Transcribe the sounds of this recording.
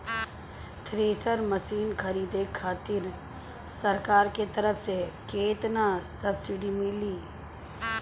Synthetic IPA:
t̪ʰɾeːsəɾməsiːnkʰɐɾiːd̪ekʰaːt̪ɪɾ | sɐɾkaːɾket̪ɐɾəfsekeːt̪nasɐbsɪɖimɪliː

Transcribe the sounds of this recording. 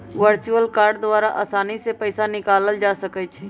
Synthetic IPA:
ʋəɾt͡ʃuəlkaːɾɖd̪ʊwaːɾaʔa̰ːsaːnisepəɪsanɪkaːləld͡ʒaːsəkət͡ʃʰɛː

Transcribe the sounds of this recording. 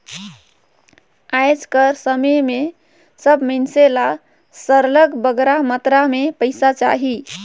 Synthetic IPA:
ajd͡ʒkəɾsəməjme | səbmənsela | səɾləɡbəɡɾamət̪ɾamepəɪsat͡ʃa̰ɦi

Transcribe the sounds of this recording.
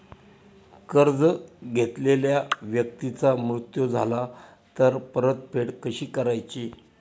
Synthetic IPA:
kəɾd͡zɡʱet̪leljaʋjək̚t̪it͡samɾut̪jod͡zʱala | t̪əɾpəɾət̪̚pʰeɽkəɕiːkəɾajt͡ɕi

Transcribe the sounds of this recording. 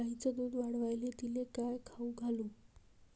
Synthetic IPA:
aɦĩt͡səd̪uːd̪ʋaɽʋajlet̪ilekajkʰauɡʱaluː

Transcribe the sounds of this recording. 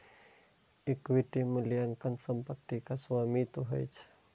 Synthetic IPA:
ikwitiməliaŋkansəmpak̚t̪ikasuamit̪uɦa̰jt͡ʃ

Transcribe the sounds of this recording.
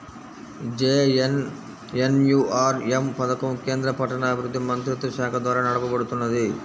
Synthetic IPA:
d͡ʒeːn | enjuːʔaːɾempɐd̪ɐkɐmke̞ːnd̪ɾɐpɐʈɐnɐːbiɾud̪ːimɐnt̪ɾit̪ːɾɐʃaːkʰɐd̪ʋaːɾɐnɐɽɐbɐbɐɽut̪ːunːɐd̪i

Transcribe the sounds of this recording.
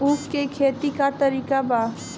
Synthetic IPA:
ufkekʰeːt̪ikat̪əɾiːkabaː

